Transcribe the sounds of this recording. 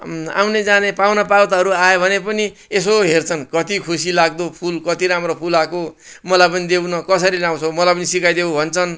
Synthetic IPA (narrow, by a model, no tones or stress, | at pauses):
a̰wned͡zanepawnʌpawt̪aɦʌɾuajebʱʌnepʌnies̬oɦert͡sʰʌnkʌt̪ikʰusilaɡ̚d̪opʰulkʌt̪iɾamropʰulako | mʌlajpʌnid̪ewnʌkʌsʌɾilãw̃t͡sʰomʌlajpʌnisikajd̪ewbʱʌnt͡sʰʌn